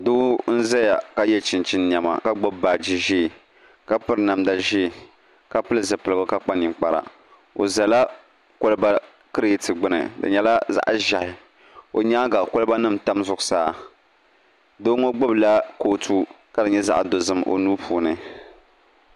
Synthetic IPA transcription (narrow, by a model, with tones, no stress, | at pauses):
doː˦n̩˦za˦ja˨ka˦jɛ˦t͡ʃɪ˨nt͡ʃɪ˦n˦ɲɛ˨ma̰˨ka˦ɡ͡bo˦bbaː˨d͡ʒi˦ʒi˦˨ | ka˦pɨ˦ɾna˨mda˦ʒi˦˨ | ka˦pɨ˦lɨ˨zɨ˨pɨ˨lɨ˨ɡɨ˦ka˦k͡pa˦ɲɪ˨k͡pa˨ɾa̰˨ | o˨za˨la˦ | ko˦lɨ˦ba˦ | kɨ˦ɾtɨ˨ɡ͡bɨ˦nɨ̰˨dɨ̰˨ɲɛ˨la˦za̰˦ʔʒa˨hɪ˨ | o˨ɲaː˦ɡa˨kʊ˦lɨ˦ba˦nɨ˦˨mta˦mzʊ˨ɡʊ˨saː˨˦˨ | doː˦ŋo˦ɡ͡bo˦bla˦koː˦tʰu˦ | ka˦dɨ˨ɲɛ˦za˦ʔdo˨zɨ˦mo̰˨nuː˦pʰuː˨˦nɨ˨